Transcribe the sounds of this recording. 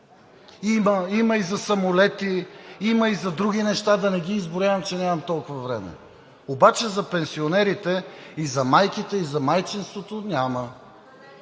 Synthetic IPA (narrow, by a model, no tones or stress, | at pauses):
iməimɐizɐsɐmʊlɛt̪iimɐizɐd̪ɾuɡʲinɛʃt̪ad̪ɐnɛɡiːzbʊɾʲjavɐmt͡ʃɛnʲamɐmt̪ɔlˠkʊvɐvɾɛmɛ̰ | obat͡ʃɛzɐpɛnsionɛɾit̪ɛizɐmajkit̪ɛizɐmajt͡ʃinst̪vot̪onʲamɐ